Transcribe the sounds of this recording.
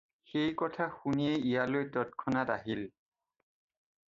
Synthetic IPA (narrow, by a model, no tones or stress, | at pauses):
xejkɔtʰaxunijɛijalojtɔtkʰɔnataɦil